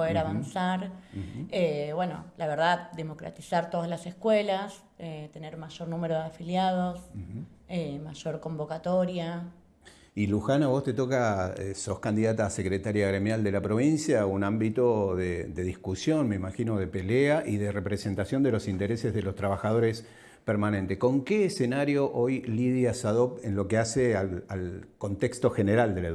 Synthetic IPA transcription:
oðeɾaβansaɾ | eβweno̞̰laβeɾðad̪emo̞kɾa̰t̪isaɾt̪o̞ðazlasehkwelas | et̪e̞neɾmaʒo̞ɾnũmeɾoðeafiljað̞o̞s | emaʒo̞ɾko̞mbo̞kat̪o̞ɾja | iluxanaβo̞st̪et̪o̞kaeso̞hkand̪iðat̪aːsekɾet̪aɾjaɣɾemjald̪e̞lapɾo̞β̞insjaunãmbit̪o̞ðed̪e̞ðihkusjo̞nme̞imaxino̞ð̞e̞pe̞leaʔiðerepɾese̞nt̪asjo̞nd̪e̞lo̞sint̪eɾesezðelo̞st̪ɾaβ̞axað̞o̞ɾes | peɾmanẽnt̪eko̞ŋkeːsenaɾjo̞ʔojliðjasaðo̞penlo̞keasealalko̞nt̪ekst̪o̞xeneɾald̪ele

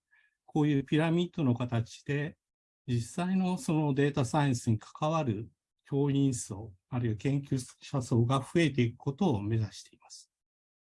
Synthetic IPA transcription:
ko̞ːjɯ̟ːpʲiɾamʲit̪ːo̞no̞kat̪at͡ɕi̥d̪̥e̞ | d͡ʑisaino̞so̞no̞d̪e̞ːt̪asaĩɰ̃sɨɲ̟ikʰḁkaβ̞aɾɯ̟ | kʲo̞ːĩɰ̃so̞ː | aɾɯ̟iβakẽ̞ŋkʲɨɕaso̞ːɡaɸɯ̟e̞t̪̬e̞ikɯ̟̥ko̞t̪o̞ːme̞zaɕi̥t̪e̞imasɨ̥

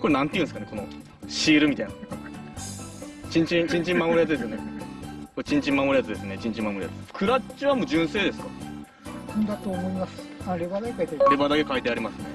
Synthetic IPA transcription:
ko̞ɾenãnt̪ejɯ̟̃sɨkane̞ko̞no̞ | ɕiːɾɯ̟mʲit̪aina | t͡ɕĩɲ̟t͡ɕĩɰ̃t͡ɕĩɲ̟t͡ɕĩmːamoɾɯjat͡sɨd̪esɨjonekot͡ɕĩɲ̟t͡ɕĩmːamoɾɯ̟jat͡sɨd̪esɨne̞t͡ɕĩɲ̟t͡ɕĩmamoɾɯija̰t͡sɨkʰɯ̟ɾat͡ɕiβamo̞ːd͡ʑɨ̃ɰ̃se̞ːd̪e̞sɨ̥ka | nd̪at̪oːmoimasɨ̥aɾebad̪akekait̪eɾɾebad̪ake̞kait̪e̞aɾʲimasɨne

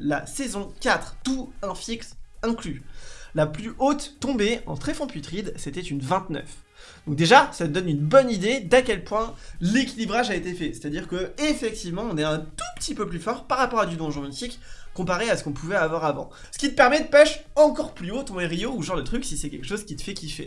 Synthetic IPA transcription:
la̰sezɔ̃kʲat̪χt̪uɛ̃fiksɛ̃klylaplyʔot̪ːɔ̃beɑ̰̃t̪χɛfɔ̃pit̪χid̪set̪ɛt̪ynvɛ̃t̪nœ̰f | d̪ɔ̃k̚d̪eʒasat̪əd̪ɔnynbɔnid̪ed̪akʲɛlpwɛ̃lekʲilibʁaʒaet̪efɛse̥t̪ad̪iʁkəefɛk̚t̪ivmɑ̃ɔ̃nɛɛ̃t̪u̥pə̥t̪ipøplyfɔʁpaʁapɔʁad̪yd̪ɔ̃ʒə̃ifikːɔ̃paʁeasə̥kɔ̃puvɛavwaʁavɑ̰̃ | sə̥kʲit̪əpɛʁmɛd̪əpɛʃɑ̃kɔʁplyot̪ɔ̃eʁijouʒɑ̃ʁd̪ət̪χyksisɛkʲɛlkə̥ʃozkʲit̪ə̥fɛkʲifɛ̰

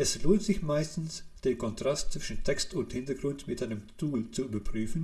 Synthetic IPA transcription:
ʔɛsloːntz̥ɪçmaɪstn̩sd̥eːɐkʰɔntʁ̥astt͡sv̥ɪʃn̩tʰɛkstʊnthɪntɐɡʁʊntmɪtʔaɪnəmt͡suːlt͡suyːbɐpʁ̥yːfn̩

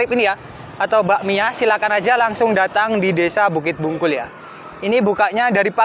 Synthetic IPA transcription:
ɪpinija | at̪awbaʔmiasilakanad͡ʒalaŋsʊŋdat̪aŋdidesabuk̬ɪt̪̚buŋkʊlja | inibukaʔɲadaɾipa

